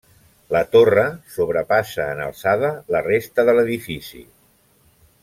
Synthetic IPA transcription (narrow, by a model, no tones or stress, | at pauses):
lət̪orəsoβɾəpasəːnə̰lˠsaðələrest̪əðələðifisḭ